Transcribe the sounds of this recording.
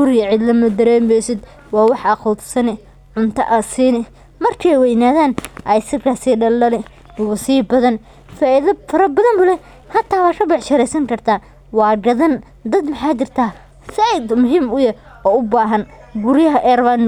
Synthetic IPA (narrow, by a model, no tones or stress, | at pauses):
ɡʊɾɪjɐʕɪd̪lɐmɐd̪ɐɾɛːmɛjsɪd̪ | wɑːwɑħɐxɔt̪sɐnɪ | ʕʊnt̪ʰɐ̰ʔɐsiːnɪ | mɐrkʰɛjwɛjnaːðaːnʔɐjsɪkʰasiːɖɐlɐlɪ | wɐsiːbɐðɐn | faːʔɪðɐfɐɾɐbɐðɐnbʊlɛ | hɐt̪ʰːaːwɑːrɐbɪʕʃɐɾɛjsɐŋkʰɐrt̪ʰaː | wɑːɡɐðɐn | d̪ɐd̪mɐħaːt͡ʃɪrt̪ʰaː | sɪd̪mʊɦiːmʊjɐ | ɔːʊbaːɦɐn | ɡʊɾɪjɐɦɐʔɛrɐβan